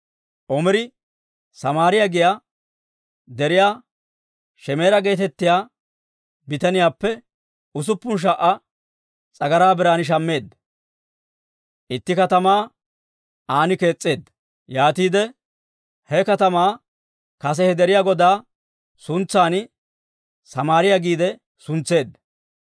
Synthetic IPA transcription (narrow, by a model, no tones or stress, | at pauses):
ʔɔmɪɾɪ | sɐmaːɾɪjaɡɪjaː | d̪ɛɾɪjaː | ʃɛme̞ːɾɐɡe̞ːt̪ɛt̪ːɪjaː | bɪt̪ɐnɪjaːpːɛ | ʊs̬ʊpːʊnʃ̬ɐʔɐ | t͡sʼɐɡɐɾaːbɪɾaːnɪʃ̬ɐmːe̞ːd̪ːɐ | ʔɪt̪ːɪkɐt̪ɐmaː | aːnɪke̞ːt͡sʼːe̞ːd̪ːɐ | jaːt̪iːd̪ɛ | hɛkɐt̪ɐmaː | kɐs̬ɛhɛd̪ɛɾɪjaːɡɔd̪aː | sʊnt͡sːaːn | sɐmaːɾɪjaɡiːd̪ɛ | sʊnt͡sːe̞ːd̪ːɐ